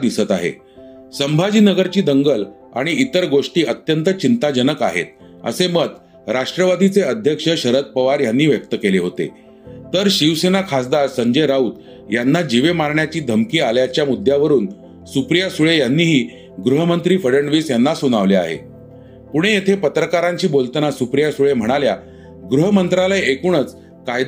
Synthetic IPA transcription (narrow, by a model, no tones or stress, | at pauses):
d̪isət̪aɦḛ | səmbʱad͡ʑiːnəɡəɾt͡ɕiːd̪əŋɡəl | a̰ɽ̃iit̪əɾɡoʂʈiːət̪jənt̪ət͡ɕint̪ad͡ʑənəka̰ɦḛt̪̚ | ə̰semət̪ | ɾaʂʈɾəʋad̪ʱit͡seəd̪ʱjəkʂəɕəɾət̪̚pəʋaɾjanːiːʋjək̚t̪əkeleɦot̪ḛ | t̪əɾɕiʋsenakʰasd̪aɾsəɲd͡ʑeɾaut̪ | janːad͡ʑiʋemaɾɳjat͡ɕiːd̪ʱəmkiːaljat͡ɕjamud̪ʱjaʋəɾuːn | supɾijasuɭejanːiːɦiː | ɡɾuɦəmənt̪ɾiːfəɽəɳʋiːsjanːasuñaʋlea̰ɦḛ | puɽ̃ejet̪ʰepət̪ɾəkaɾãɲt͡ɕiːbolt̪ənasupɾijasuɭem̤əɽ̃alja | ɡɾuɦəmənt̪ɾalajekuɳət͡s | kajd̪